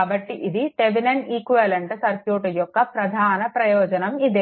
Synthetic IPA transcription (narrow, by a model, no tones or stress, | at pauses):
abɐʈːiʔid̪iʈeʋinɐniːkuʋɐlɐɳʈsɐɾkjuːʈɐjɔkːɐpɾɐd̪ʱaːnɐpɾɐjɔːd͡ʒɐnɐmid̪e